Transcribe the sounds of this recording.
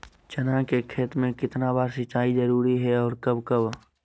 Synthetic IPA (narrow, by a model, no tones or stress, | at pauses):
t͡ʃɐnakekʰeːt̪mẽkɪt̪nabaːɾsɪt͡ʃaːizəɾuːɾiɦɛɔːɾkɐbkɐb